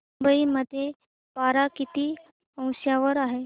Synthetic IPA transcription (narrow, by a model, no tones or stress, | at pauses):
ubəiməd̪ʱːje | paɾakit̪iː | ə̃w̃ɕjaʋəɾaɦe